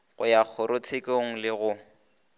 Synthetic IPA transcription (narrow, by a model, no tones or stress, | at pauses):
ɣʊjak͡xʰʊɾʊt͡sʰekoŋ̩lɪɣʊ